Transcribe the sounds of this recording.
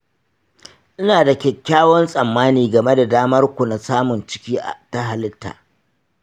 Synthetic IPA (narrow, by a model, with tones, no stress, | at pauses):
ʔɪ˦naː˨da˨kʲɛ˨kʲːaː˦wɔ˦nsʼɐ˨mːaː˦niː˨ɡɐ˨me˦da˨daː˦mɐ˦rkʷu˨na˨saː˦mʊ˨nt͡ʃɪ̥˦kʲiː˦ʔa̰˨ta˦ɦa˨lɪ˦tːa̰ː˨